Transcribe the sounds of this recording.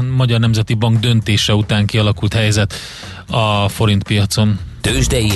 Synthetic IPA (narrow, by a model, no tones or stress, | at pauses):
mɒɟɒrnɛmzɛt̪ibɒŋɡd̪ø̞nt̪eːʃɛut̪aːŋkiɒlɒkult̪hɛjɛzɛt̪ | ɒfo̞ɾint̪pijɒt̪so̞nt̪øːʒd̪ɛji